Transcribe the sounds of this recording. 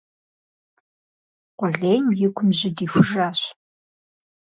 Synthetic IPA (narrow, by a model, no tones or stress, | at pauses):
qʷɔɮeːjmjɪkʷʰʊmʑɪdiːfʷʊʒaːɕ